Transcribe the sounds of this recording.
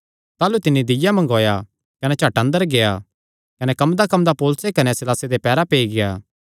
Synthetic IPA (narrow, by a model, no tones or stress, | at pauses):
t̪aːlut̪ɪnːid̪ɪjamɐ̃ŋɡoːja | kɐnɛt͡ʃʰaːʈɐ̃nd̪əɾɡeːa | kɐnɛkɐmd̪akɐmd̪apoːlʊsekɐnɛsɪlaːsed̪epɛːɾapeːiɡejaː